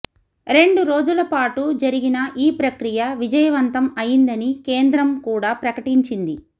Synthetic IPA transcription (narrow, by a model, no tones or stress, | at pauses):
ɾe̞ɳɖuɾo̞ːd͡ʒulɐpaːʈud͡ʒɐɾiɡinɐʔiːpɾɐkɾijɐʋid͡ʒɐjɐʋɐnt̪ɐmɐjind̪ɐnikeːnd̪ɾɐmkuːɽaːpɾɐkɐʈiɲt͡ʃind̪i